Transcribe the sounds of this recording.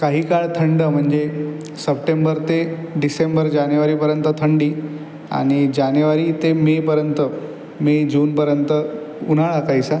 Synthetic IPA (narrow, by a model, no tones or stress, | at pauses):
kaɦiːkaɭt̪ʰəɳɖəm̤əɳd͡ʑe | səp̚ʈembəɾt̪e | ɖisembəɾd͡ʑanjuʋaɾiːpəɾjənt̪ət̪ʰəɳɖiː | a̰ɽ̃id͡ʑanjʋaɾiːt̪emepəɾjənt̪ə | med͡ʑuːnpəɾjənt̪ə | unaɭakajsa